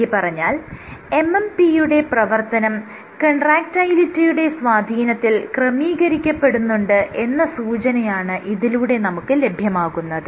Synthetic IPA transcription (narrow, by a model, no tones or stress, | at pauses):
ipɐrɐɲːaːle̞mempijuɽe̞prɐʋɐrt̪ɐnɐm | kɐɳɖraːk̚tɐjlitːijuɽe̞sʋaːd̪ʱiːnɐt̪ːilkrɐmiːɣɐɾikʲːɐpːe̞ɽunːuɳɖɨʔe̞nːɐsuːt͡ɕɐnɐjaːɳɨʔiðiluɽe̞nɐmukːɨle̞bʱjɐmaːɣunːɐðɨ